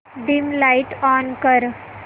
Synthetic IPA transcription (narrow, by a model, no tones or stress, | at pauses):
ɖimlajʈɔnkəɾ